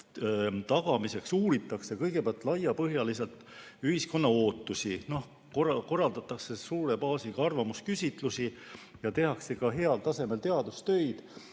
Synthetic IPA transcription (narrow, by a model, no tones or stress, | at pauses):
t̪ɑɡ̥ɑmise̞ksuːɾit̪ːˑɑkse̞kɤjɡ̥e̞peɑlt̪ːˑlɑjːɑpɤɦjɑlise̞lt̪yhisko̞nːɑo̞ːt̪ːˑusino̞h | koko̞rːɑld̪ɑt̪ːˑɑkse̞suːɾe̞pɑːsiɡ̥ɑɑrvɑmuskysʲit̪ˑlusijɑt̪e̞ɦɑkse̞kɑɦe̞ɑlt̪ɑse̞me̞lt̪e̞ɑd̪̥ust̪ø̞jd̪̥